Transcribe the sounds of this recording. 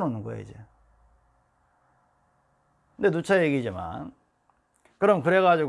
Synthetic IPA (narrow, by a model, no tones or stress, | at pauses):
monɯŋɡo̰jḛid͡ʑe | ɯndet̪ut͡ɕʰajeɡid͡ʑima̰n | kɯɾʌmkɯɾe̞ɣad͡ʑiɡ